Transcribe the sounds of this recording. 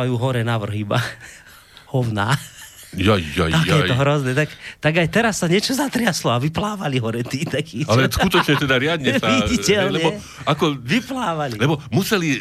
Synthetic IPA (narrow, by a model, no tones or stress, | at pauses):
ajuːɦɔɾɛnaʋr̩ɦiba | hɔwna̰ː | jaat̪ajɛt̪ɔɦɾɔznɛt̪akt̪aɡajt̪ɛɾasːaɲɛt͡ʃɔzat̪ɾɪaslɔaʋiplaːʋaliɦɔɾɛt̪iːt̪akʰiːalɛskut̪ɔt͡ʃɲɛt̪ɛd̪aɾɪad̪ɲɛsaʋiɟicɛllɛɲɛɔ | akɔʋiplaːʋalilɛbɔmusɛli